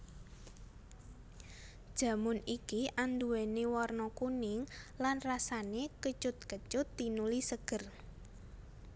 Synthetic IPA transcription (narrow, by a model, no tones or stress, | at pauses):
d̥ʒ̥a̤mʊnikiʔand̪uwenewɔrnɔkunɪŋlanrasanekət͡ʃʊt̪̚kət͡ʃʊt̪ːinulisəɡ̥ə̤r